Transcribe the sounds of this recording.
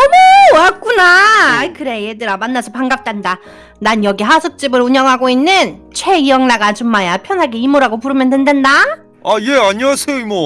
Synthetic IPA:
ʌmoak͈unakɯɾe̞jedɯɾamanːasʰʌpaŋɡap̚t͈enda | nanjʌɡiɦasʰɯk̚t͡ɕ͈ibɯɾuɲʌŋɦaɡoinːɯnt͡ɕʰwe̞ijʌŋnaɡad͡ʑumːajapʰjʌnɦaɡeimuɾaɡopuɾɯmjʌndendwenda | aje̞aɲiasʰejoimʌ

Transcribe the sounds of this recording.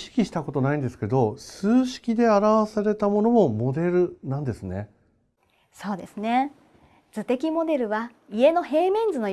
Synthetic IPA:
ɕi̥kʲiɕi̥t̪ako̞t̪o̞naĩnd̪e̞sɨ̥ke̞d̪o̞sɨːɕi̥kʲid̪e̞aɾaβasaɾe̞t̪amo̞no̞mo̞mo̞d̪e̞ɾɯ̟nãnd̪e̞sɨne̞ | so̞ːd̪e̞sɨne̞ | d͡zɨt̪e̞kʲimo̞d̪e̞ɾɯ̟βa | ie̞no̞he̞ːmʲĩnd͡zɨno̞

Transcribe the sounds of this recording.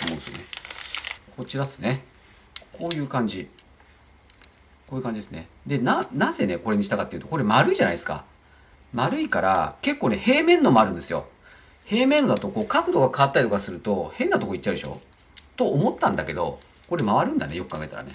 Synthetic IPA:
omonesɨjo̰ne | ko̞t͡ɕiɾad̪esɨne̞ | kʰo̞ːjɯ̟ːkãɲ̟d͡ʑi | koːjiɯ̟kãɲ̟d͡ʑid̪e̞sɨne̞̰ | d̪e̞nanãze̞ne̞ko̞ɾe̞ɲiɕi̥t̪akat̪ːeiɯ̟t̪o̞koɾemaɾɯ̟iʑanaiesɨ̥ka̰ | maɾɯ̟ikaɾa̰ke̞kːoːne̞he̞ːmẽ̞nːo̞moaɾɯ̟̃nd̪e̞sɨjo̰ | he̞ːmenːo̞d̪at̪oko̞ːkakɯ̟d̪o̞ɡakaβat̪ːaɾʲit̪o̞kasɨɾɯ̟t̪o̞hẽ̞nːat̪o̞koit͡ɕːaɯd̪eɕo̞̰ː | t̪o̞ːmo̞t̪ːãnd̪ake̞d̪o̞̰ | ko̞ɾemaβaɾɯ̟̃nd̪ane̞jo̞kɯ̟aɡe̞t̪a̰ɾa̰ne

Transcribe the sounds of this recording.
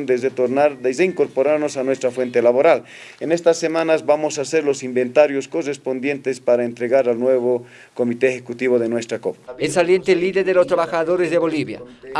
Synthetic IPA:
nd̪ezet̪oɾnaɾðeeiŋkoɾpoɾaɾno̞sanwest̪ɾafwe̞nt̪elaβo̞ɾal | enest̪asːemãnazβamo̞saseɾlo̞simbe̞nt̪aɾjosko̞respo̞nd̪je̞nt̪espaɾaent̪ɾeɣaɾalnweβo | komit̪eexekut̪iβoðenwe̞st̪ɾakopaesaljent̪eliðeɾðelost̪ɾaβaxaðoɾezðeβo̞liβja̰

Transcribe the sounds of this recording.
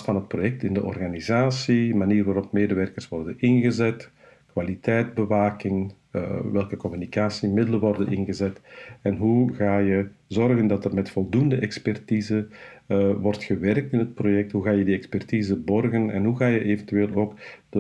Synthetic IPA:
tfɑnɦət̚projɛk̚tɪndəʔɔ̰rɣanizaːsiəmaniːrʋaːɾɔpmeːdəʋɛrkərsʋɔrdənɪnɣəzɛt | kwalitɛjdbəʋaːkɪŋ | ə̰ʋɛlˠkəkɔmynikaːsimɪdələʋɔrdənɪnɣəzɛtɛnɦuɣaːjəzɔrɣəndɑtərmɛtfɔlˠdundəʔɛkspɛrtiːzə | ʋɔrtxəʋɛrk̚tɪnɦət̚projɛk̚tɦuɣaːjədiɛkspɛrtiːzəbɔrɣənɛ̰nɦuɣaːjəʔeːvəntyʋeːlˠoːkdə

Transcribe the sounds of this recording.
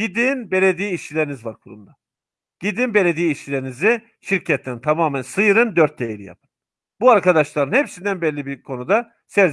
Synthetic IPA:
ɟid̪inbe̞lʲed̪iːiːʃilʲeɾinizvaɾkʰuɾṵmd̪a | ɟ̥id̪inbe̞lʲe̞d̪ijiːʃilʲeɾinizi | ʃiɾcʰɛt̪ʰːʲɛnt̪ʰamaːmænsɯjɯɾɯnd̪øɾt̪̚d̪ejeɾḭja̰pʰɯ̥n | buaɾkʰad̪aʃlˠaɾɯnhepsind̪ænbɛlʲːibiɾkʰo̞nud̪a | sɛɾz

